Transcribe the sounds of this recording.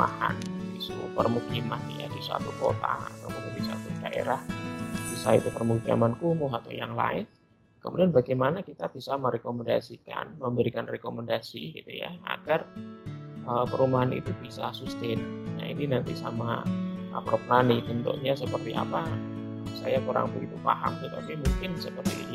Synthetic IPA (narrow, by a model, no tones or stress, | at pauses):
ua̰ha̰nitṵpərmukimanja̰disa̰t̪uko̰t̪a̰a̰t̪awbət̪ubisakud̥aʔḛɾahbisaḭt̪upərmukia̰mankumʊɦat̪awjaŋla̰ɪn | kəmudianbaɡajmanakit̪ab̥isaməɾekomɛndasika̰nməmbəɾikanrekoməndasiɡḭt̪uja̰a̰ɡ̥ar | ʔəpəɾumaɦanḭt̪ubisasust̪enana̰ḭninant̪isamaapɾopnanibənt̪ṵʔɲasəpərt̪iʔa̰pa | sa̰jakuɾa̰ŋbəɡit̪ufa̰ha̰mt̪ət̪apimuŋkɪnsəpərt̪ḭ